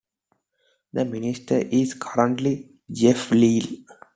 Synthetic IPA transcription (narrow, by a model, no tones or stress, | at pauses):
d̪əmɪnɪsʈəɾʔizkʰʌɾə̃ɳʈli | d͡ʒefliːl